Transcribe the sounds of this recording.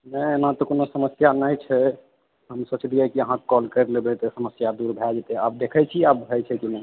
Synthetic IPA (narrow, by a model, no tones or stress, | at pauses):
nənãt̪ɔkonosəməsjanəjt͡ʃʰɛ | ɦəmsət͡ʃʰliɛkiəɦãkɔlkəɾlebet̪ɔsəməsjad̪uɾbʱɛd͡ʒet̪eab̚d̪ekʰət͡ʃʰiabbʱɛt͡ʃʰɛkinɛ